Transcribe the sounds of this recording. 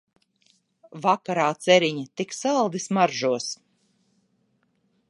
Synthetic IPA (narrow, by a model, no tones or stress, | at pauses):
vakaɾaːt̪sɛɾiɲit̪iksalˠd̪ismaɾʒuɔs